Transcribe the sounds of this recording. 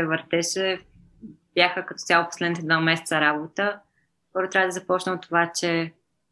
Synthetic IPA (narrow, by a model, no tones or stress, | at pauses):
ɛvəɾt̪ɛʃɛ | b̥jaxəkɐt̪ɔt̪sʲjalˠoposlɛd̪nit̪ɛd̪vamɛsɛ̥tsəɾabot̪ə | pɔɾʊt̪ɾʲavəd̪əzɐpɔt͡ʃnəot̪ːovat͡ʃɛ